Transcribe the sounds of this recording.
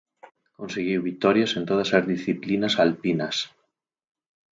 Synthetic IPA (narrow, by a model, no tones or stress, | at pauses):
konseɣ̞iwβit̪ɔɾjasent̪oð̞asazðisθiplinasalpinas